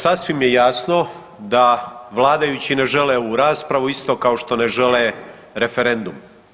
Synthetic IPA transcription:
sasʋimjejaːsno̞ | d̪aʋlˠaːd̪ajut͡ɕine̞ʒe̞leuɾaːspɾaʋuist̪o̞kao̞ʃt̪o̞ne̞ʒe̞le | ɾe̞feɾe̞nd̪um

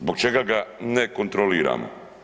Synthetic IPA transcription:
zbok̚t͡ʃeɡaɡanekont̪ɾoliːɾa̰ːmo̰

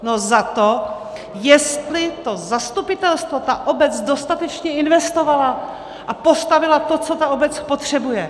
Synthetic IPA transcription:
nozat̪o | jɛst̪lɪt̪ozast̪upɪt̪ɛlst̪vo̞t̪aʔobɛt͡sdo̞st̪at̪ɛt͡ʃɲɛɪnvɛst̪o̞vala | ʔapo̞st̪avɪlat̪o̞t͡so̞t̪aobɛt͡spo̞t̪r̝̥ɛbujɛ

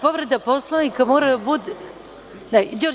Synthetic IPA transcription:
poʋɾed̪aposlˠanikamoːɾad̪abud̪ | nad͡ʑoɾ

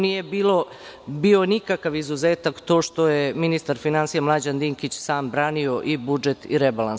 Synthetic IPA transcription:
nije̞biːlo̞ | bio̞nikakaʋizuzeːt̪akt̪o̞ːʃt̪ojeminist̪aɾfinansijamlˠad͡ʑand̪iŋkit͡ɕsaːmbɾaːnio̞ʔibud͡ʒe̞t̪ḭɾebalans

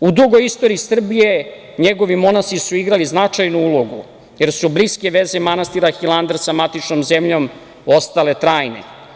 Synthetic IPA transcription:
ud̪uɡo̞jist̪o̞ɾiːsr̩bije̞ | ɲeɡo̞ʋimo̞nast̪isuiɡɾaliznat͡ʂajnuulˠo̞ɡu | je̞ɾsubliske̞ʋe̞zemanast̪iɾaxilˠand̪ɾsamat̪it͡ʂnomze̞mʎo̞m | ost̪ale̞t̪ɾaːjnḛ

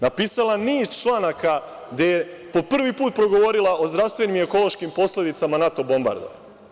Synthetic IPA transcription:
napiːsalaniːst͡ʃlˠaːnaka | ɡd̪eje | po̞pr̩ʋipuːt̪̚pɾo̞ɡo̞ʋo̞ɾilˠaʔo̞zd̪ɾaʋst̪ʋe̞nime̞ko̞lˠo̞ʃkimpo̞sle̞d̪it̪samanat̪o̞bo̞mba̰ɾd̪o̰ʋ

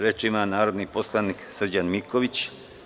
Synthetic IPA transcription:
ɾet͡ʃimanaːɾo̞d̪niposlˠaniksr̩d͡ʑanmikoʋit͡ɕ

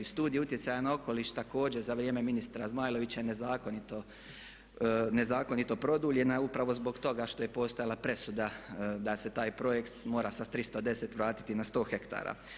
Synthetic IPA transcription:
ist̪uːd̪ijeut̪je̞t̪sajanao̞ko̞liːʃt̪ako̞ːd͡ʑe̞ɾzaʋɾjeːme̞minist̪ɾazmaːjlo̞ʋit͡ɕane̞zaːko̞nit̪o | ne̞zaːko̞nit̪o̞pɾo̞d̪uːlʎe̞naupɾaʋo̞zbo̞ɡt̪o̞ɡaʃt̪o̞je̞po̞ːst̪ojalˠapɾe̞sud̪ad̪ase̞t̪aːjpɾo̞je̞kt̪mo̞ːɾasad̪t̪ɾist̪od̪e̞se̞t̪ʋɾaːt̪i̥t̪inast̪o̞ːxe̞kt̪a̰ːɾa̰

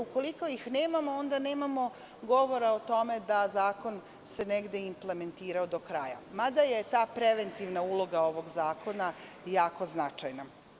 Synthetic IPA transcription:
uko̞liko̞jixneːmamoond̪ane̞ːmamo̞ | ɡo̞ʋo̞ɾaot̪o̞me̞d̪azaːko̞n | se̞neɡd̪e̞imple̞me̞nt̪iːɾaod̪o̞kɾa̰ja̰mad̪aje̞t̪aːpɾeʋe̞nt̪iʋnaulˠo̞ɡao̞ʋo̞ɡzaːko̞na | jaːko̞znat͡ʃajna

